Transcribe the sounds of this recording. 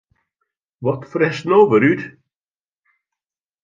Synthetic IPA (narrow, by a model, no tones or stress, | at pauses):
vɔtfɾɛsnowvəɾyt